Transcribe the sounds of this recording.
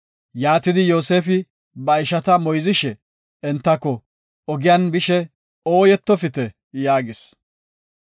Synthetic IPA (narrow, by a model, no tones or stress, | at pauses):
jaːt̪ɪd̪ɪjo̞ːse̞ːfɪ | bɐɪʃɐt̪ɐmɔjzɪʃɛ | ɛnt̪ːɐkːɔ | ɔɡɪjanbɪʃɛ | o̞ːjɛt̪ːɔfɪt̪ɛ | jaːɡɪs